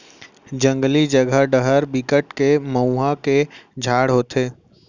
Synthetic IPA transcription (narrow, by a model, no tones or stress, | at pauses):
d͡ʒə̃ŋɡlid͡ʒəɡʱəɖəɦəɾbɪkəʈkeməuɦaked͡ʒʱaːɽɦoːt̪ʰeː